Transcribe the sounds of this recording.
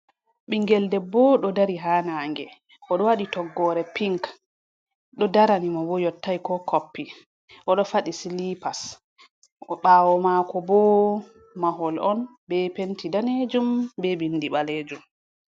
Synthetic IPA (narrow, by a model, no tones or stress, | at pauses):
ɓiŋɡɛldɛbɔɗɔdaɾiɦaːnaŋɡɛ | ʔɔɗɔwaɗitɔɡːɔɾɛpiŋk | ɗɔdaɾanimabɔjɔtːajkɔkʰopːi | ʔɔɗɔfaɗisilipas | ɓaːwɔmakɔbɔ | maɦɔlɔn | bɛpentidaned͡ʒumbɛbinːdiɓaleːd͡ʒum